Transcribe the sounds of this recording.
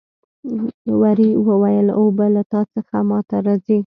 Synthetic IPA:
waɾiwəwajəlobalat̪ɑt͡səxamɑt̪aɾɑzi

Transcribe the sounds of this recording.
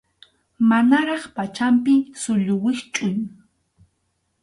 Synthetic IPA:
manaɾɑχpat͡ʃampɪsʊʎʊwɪχt͡ʃʼʊŋ

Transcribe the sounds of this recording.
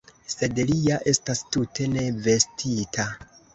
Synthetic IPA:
se̞dliaʔe̞stastutʰe̞ne̞ve̞stʰitʰa

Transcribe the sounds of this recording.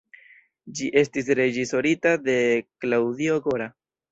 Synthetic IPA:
d͡ʒiʔe̞stis̬ɾe̞d͡ʒiso̞ɾitade̞klawd̪io̞ɡo̞ɾa

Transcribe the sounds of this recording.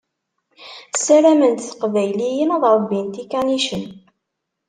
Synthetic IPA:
sæɾæmənt̪θə̥qvæjlijənəðˤɾˤəbːint̪ikæniʃən

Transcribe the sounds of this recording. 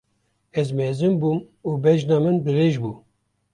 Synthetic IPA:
ɛzmɛzɨmbuːm | uːbɛʒnɑːmɨnbɨreːʒbu

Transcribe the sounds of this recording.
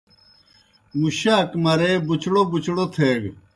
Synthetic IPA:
muɕaːkmɐɾebut͡ɕɽobut͡ɕɽot̪ʰeːɡ

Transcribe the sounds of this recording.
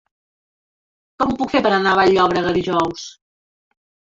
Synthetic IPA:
kɔmupukfepəɾənaβaʎɔβɾəɣəðiʒɔws

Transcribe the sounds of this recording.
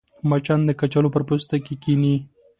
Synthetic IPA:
mat͡ʃand̪əkat͡ʃalopəɾpost̪akekini

